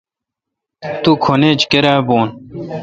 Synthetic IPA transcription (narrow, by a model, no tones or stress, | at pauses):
t̪ukʰoneːt͡ɕkeɾaːboːn